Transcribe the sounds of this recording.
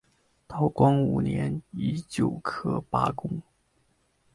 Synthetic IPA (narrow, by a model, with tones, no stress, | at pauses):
t̪ɑ˥˩ʊkwɑ˥ŋu˨˩njɛ˧˥ni˧˥t͡ɕjo˨˩ʊkʰɤ˥pa̰˥kʊ˥ŋ